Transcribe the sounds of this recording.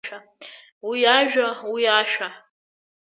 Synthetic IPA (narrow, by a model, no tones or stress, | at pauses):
a | wiaʒᶣawiaʃᶣa